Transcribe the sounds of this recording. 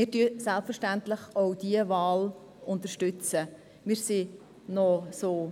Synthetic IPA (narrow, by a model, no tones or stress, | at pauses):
ɪːɾdyəsɛlpfəɾʃtæntləχoʊd̥iəvɑːl | ʊntəɾʃtʏt͡sə | mɪːɾsi | nɔsoː